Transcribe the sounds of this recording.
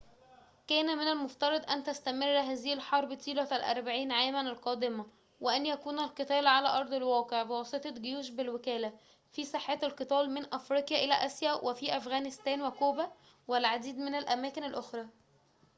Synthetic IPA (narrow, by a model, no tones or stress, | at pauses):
kæːnæmɪnælmoft̪ɑɾˤɑd̪ˤʔænt̪æst̪æmerːæɦæːzɪhɪlħɑɾˤbt̪iːlæælʔɑ̰ɾˤbaʕiːnʕaːmænælqɑːd̪ɪmæ | weʔænjækuːnælqɨt̪æːlʕalæ̰ːʔɑɾˤd̪ˤelwɑːqeʕbewɑsˤet̪ˤɑɡejuːʃbelwekæːlæ | fisˤeħːeːt̪ælqɨt̪ɑːlmenʔæfɾiːqjæʔelæʔæsjæwʔefiʔæfɣæːnɪst̪æːnwekuːbæ | welʕad̪iːd̪menælʔæmæːkɪnælʔoxɾˤɑː